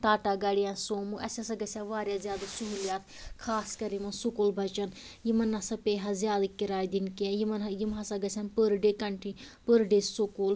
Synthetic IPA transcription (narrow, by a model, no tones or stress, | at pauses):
ʈ̪aːʈaːɡɐɽijãːnsoːmuʔɐsʲasɐɡɐsʲaʋaːɾʲjazjaːd̪asuɦiljaːt̪̚ʰkʰaːskɐɾimɐnsukolbʱɐt͡ʃɐn | jimɐnːɐsɐpeːɦazjaːd̪akiɾaːjd̪inkiãjimɐnjimɦɐsaɡɐsʲanpəɾɖeːkɐɳʈʰi | pəɾɖeːsokoːl